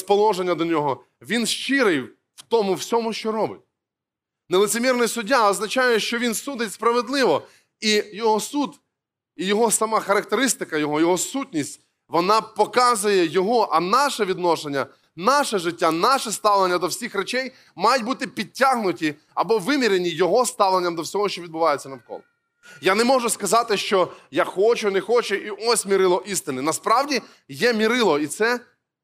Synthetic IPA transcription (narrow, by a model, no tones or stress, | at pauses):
spɔlˠɔʒenʲːɐd̪ɔnʲɔɦɔ | ʋʲinʃt͡ʃɪɾɪj | wt̪ɔmʊwsʲɔmʊʃt͡ʃɔɾɔbɪ̰t̚ʲ | nɛlˠɪtsɪmʲirnɔjsʊdʲːaɐznɐt͡ʃajɛʃt͡ʃɔʋʲinsud̪ɪtʲspɾɐʋed̪lˠɪʋɔ | ijɔɦɔsud̪ | ijɔɦɔsɐmɑxɐɾɐk̚t̪eɾɪst̪ɪkɐjɔɦɔjɔɦɔsutʲnʲisʲtʲ | ʋɔnɑpɔkɑzʊjɛjɔɦɔʔɐnɑʃɛʋʲid̪nɔʃenʲːɐ | nɑʃɛʒɪtʲːanɑʃɛst̪ɑʋlˠenʲːɐd̪ɔwsʲixɾet͡ʃɛj | mɑjʊt̚ʲbut̪ɪpʲid̚ʲtʲːaɦnʊtʲi | ɐbɔʋɪmʲiɾenʲijɔɦɔst̪ɑʋlˠenʲːɐmd̪ɔwsʲɔɦɔʃt͡ʃɔʋʲid̪bʊʋɑjɪet͡sʲːɐnɐwkɔ̰lˠ | janɛmɔʒʊskɐzɑt̪ɪʃt͡ʃɔjaxɔt͡ʃʊnexɔt͡ʃʊʔiʔɔsʲmʲiɾɪlˠɔʔist̪ɪnɪnɐspɾɑwdʲi | jɛmʲiɾɪlˠɔit̪sɛ